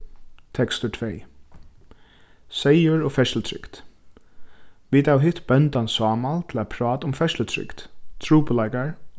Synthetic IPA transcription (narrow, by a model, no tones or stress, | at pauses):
t̪ʰɛkst̪ʊʈʰvej | sejʊɹɔfɛʃl̩t̪ʰɾɪ̰kt̪ | ʋiːt̪awɦɪht̪bœnt̪ansɑːmalt̪ʰɪlapʰɾɑːt̪ʊmfɛʃlət̪ʰɾʏ̰kt̪t̪ʰɹuːpəlaɪkaɹ